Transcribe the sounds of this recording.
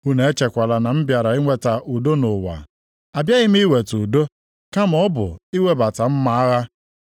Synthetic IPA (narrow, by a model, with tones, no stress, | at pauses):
u˦ne˨e˦t͡ʃe˨kʷa˨la˨na˨m̩˦bja˨ɾa˨i˦ŋʷe˦ta˨ʔu˨do˦nʊ˨wa̰˨ | a˨bja˦ɣɪ˦m̩˦i˦we˨tu˨do˦ | ka˦m̩ɔ˦bʊ̰˨i˦we˦ba˨ta˨m̩˦ma˨a˦ɣa˦